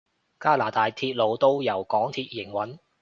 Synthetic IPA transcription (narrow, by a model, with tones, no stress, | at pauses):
kaː˥laː˨˩t̪aː˨jt̪ʰiː˧t̚lo˨˧wt̪o˥wjɐ˨˩wkɔː˨˥ŋt̪ʰiː˧t̚jɪ˨˩ŋwɐ˨˥n